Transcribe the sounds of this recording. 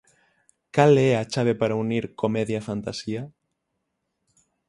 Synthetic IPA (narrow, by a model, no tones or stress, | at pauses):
kaleat͡ʃaβ̞epaɾauniɾkomeðjafant̪asia